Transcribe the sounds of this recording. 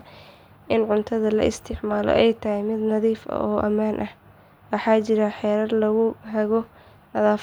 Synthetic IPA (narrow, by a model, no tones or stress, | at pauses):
ʔɪnʕʊnt̪ʰɐðɐlɐ̰ʔɪst̪ʰɪʕmaːlɔ̰ʔɛjt̪ʰɐɦɛjmɪd̪nɐðiːfɐ̰ʔɔːʔɐmaːnʔɐh | wɑħɑːt͡ʃɪɾɐħɛːɾɐdlɐɣʊɦɛɣɔ | nɐðaːf